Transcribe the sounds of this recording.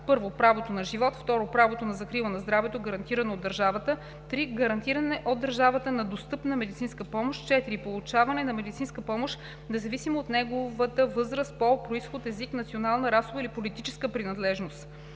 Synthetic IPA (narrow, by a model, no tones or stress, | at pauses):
pɤɾvopɾavot̪onɐʒivɔt̪ft̪ɔɾopɾavot̪onɐzɐkɾilˠənɐzd̪ɾavɛt̪oɡɐɾɐnt̪iɾɐnoːd̪ːɐɾʒavət̪ə | t̪ɾiɡɐɾɐnt̪iɾɐnɛʔod̪ːɐɾʒavət̪ənɐd̪ost̪ɤpnəmɛd̪it̪sinskəpɔmoʃt̪t͡ʃɛt̪iɾipolˠut͡ʃavɐnɛnɐmɛd̪it̪sinskəpɔmoʃt̪ | nɛzɐvisimoːt̪nɛɡovət̪əvɤzɾəst̪̚popɾoisxot̪ɛziknɐt̪sionalˠnəɾasovəilipolit̪it͡ʃɛskəpɾinɐd̪lɛʒnost̪